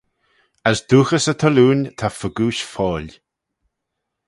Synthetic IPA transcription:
əsd̪̥uːxəsət̪ʰɔluːnt̪ʰafəɡuːʃfɔːlʲ

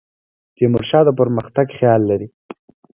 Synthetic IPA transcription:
d͡ʒ̪emʊɾʃɑd̪əpəɾməxt̪aɡxjɑlːaɾi

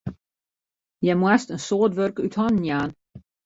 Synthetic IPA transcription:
jɛmwastənsoətʋørkythɔnnjaːn

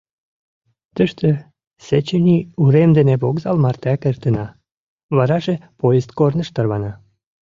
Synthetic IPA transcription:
t̪əʃt̪ə̆ | set͡ɕenʲiuɾemd̪eneβokzɑlmɑrt̪ækert̪ə̆nɑ | βɑɾɑʒepojest̪̚kornə̆ʃt̪ərβɑnɑ

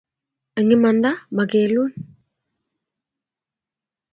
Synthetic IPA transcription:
əŋimand̪amakelun

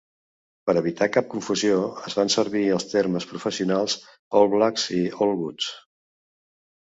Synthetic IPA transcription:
pəɾəβ̞it̪akap̚kuɱfuzioəzβansəɾβiəlˠst̪erməspɾufəsiunalˠz | ɔlˠβlakziɔlˠβut͡s

